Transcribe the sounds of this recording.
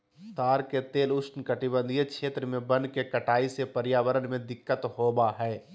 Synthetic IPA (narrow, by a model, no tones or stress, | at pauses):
t̪aːɾket̪eːlʊsnkɐʈibə̃nd̪ʱijekʃeːt̪ɾəmẽbɐ̃nkekɐʈaːisepəɾjaːʋəɾənmẽd̪ɪkːət̪hoːbaɦɛː